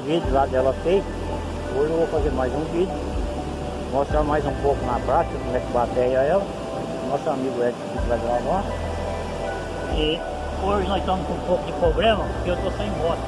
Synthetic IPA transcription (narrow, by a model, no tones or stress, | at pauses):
vid̪ʊlad̪ɛlɐsej | oʒvofazeɾmajzũvid̪ʊ | moʃst̪ɾamajzũpokʊnapɾat͡ʃ̪ɐkõmɛkɪbat̪ɛjaɛlɐ | nɔsamiɡʊɛd͡ʒɪvid̪lad͡ʒ̪ɛlala | ɪ | oʒɪnɔst̪ɐ̃mʊzkũpokʊd̪ɪpɾoɡɾɐ̃mɐkewt̪osẽj̃bɔɾɐ